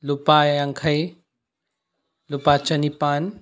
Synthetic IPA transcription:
lupajaŋkʰɐj | lupat͡ʃɐnipaːn

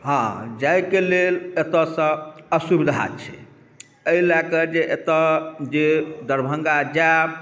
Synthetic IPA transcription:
ɦãd͡ʒajkelelet̪ɔ̃sə̃əsubid̪ʱɦa̰t͡ʃʰḭ | əilakəd͡ʒeʔet̪əd͡ʒed̪əɾbʱəŋɡad͡ʒa

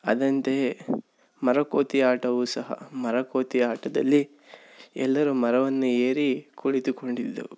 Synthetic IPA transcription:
ɐ̰d̪ɐnt̪e̞ | mɐɾɐkoːt̪iaːʈɐʋusɐɦɐ̰mɐɾɐkoːt̪iaːʈɐd̪ɐlːi | ɛ̰lːɐɾumɐɾɐʋɐnːueːɾikʰuɭit̪uko̞ɳɖid̪ːṵ

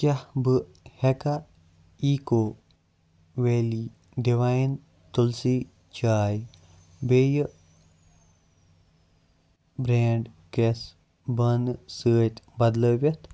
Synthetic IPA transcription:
kʲahbɨ | heka | iːko | ʋeːli | d̪iʋain | t̪ulsi | t͡ʃaːj | bej | bɾeːɳɖkes | bɐnsəːt̪ʲbɐd̪ləʋɐt̪ʰ

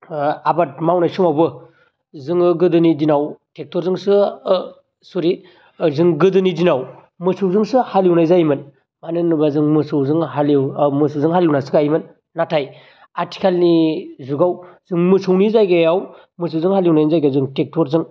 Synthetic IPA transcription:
abat̚mawnajsumawbɯ | zɯŋɯɡɯdɯnidinawtek̚tɔɾzɯŋsɯ | suɾi | zɯŋɡɯdɯnidinaw | mɯsɯwzɯŋsɯhaliwnajzajmɯn | manɯnɯbazɯŋmɯsɯwzɯŋɦaliwmɯsɯwzɯŋɦaliwnasɯɡajmɯnː | atʰaj | aɾti̥kʰalnizuɡawzɯŋmɯsʰɯwnizajɡajaw | mɯsɯwzɯŋhaliwnajnizajɡazɯŋtek̚tʰɔɾzɯŋ

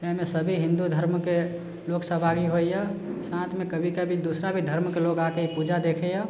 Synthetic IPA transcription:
eɦmesəbʱiɦĩnd̪ud̪ʱəɾmke | loksəɦbʱaɡiɦojjasãt̪ʰmekəbʱikabʱid̪usɾabʱid̪ʱəɾmkeloɡakeipud͡ʒad̪ekʰɛja

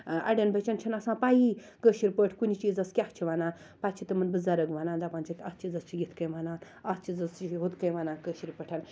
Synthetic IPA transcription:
ɐ̰ɖɐnbɐt͡ʃɐnt͡ʃʰɐnɐsãːpaːji | kəːʃiɾʲpəʈʰkunʲit͡ʃiːzɐskʲaht͡ʃʰiʋanaːn | paːt͡ʃʰit̪ɐmɨnbɨzɐɾɐɡʋɐnaːnd̪apaːnt͡ʃʰikʲɐst͡ʃʰizɐst͡ʃʰijit̪ʰkɐjʋanaːn | ɐst͡ʃiːzɐsiɦot̪kɐjʋanaːnkəːʃiɾpəʈʰɐn

